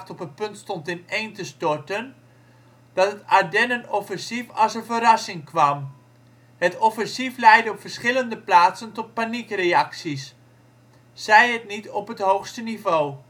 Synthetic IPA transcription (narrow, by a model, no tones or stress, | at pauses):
tɔpənpɵntstɔntɪnejntəstɔɹtən | d̥ɔtətadɛnənofənsifɑsəfərɑsɪŋkʰʋɑm | hətofənsiflɛjdəɔpfərsχɪləndəplaːtsəntɔt̚panikreɑksis | sɛjət̚nitɔpɦəthowxstənivoː